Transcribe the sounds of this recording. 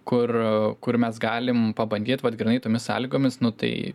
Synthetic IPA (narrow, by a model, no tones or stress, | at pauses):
kʊrkʊrmʲɛsɡɑːlʲɪmpɐbɐnʲd̪ʲiːt̪ʋɐt̪ɡɾʲɪnɐɪt̪oːmʲɪsɑ̰ːlʲiːɡoːmʲɪsnʊt̪ɐ̰ɪ